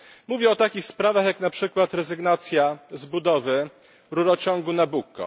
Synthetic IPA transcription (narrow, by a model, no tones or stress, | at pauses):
muvʲjɛɔt̪akʲixspɾavaxjaknapʂɘkwat̪ɾɛzɘɡnat̪sʲjazbud̪ɔvɘ | ɾuɾɔt͡ɕɔŋɡunabukːɔ̰